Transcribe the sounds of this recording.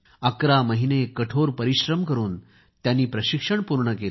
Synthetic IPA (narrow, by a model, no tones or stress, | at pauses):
əkɾaməɦinekəʈʰoɾpəɾiɕɾəmkəɾuːn | t̪janːiːpɾəɕikʂəɳpuɾɳəke